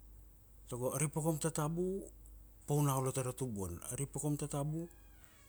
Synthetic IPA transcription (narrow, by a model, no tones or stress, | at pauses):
toɡoaɾipokomtatabu | pownawlotaɾatubuo̰naɾipokomtatabu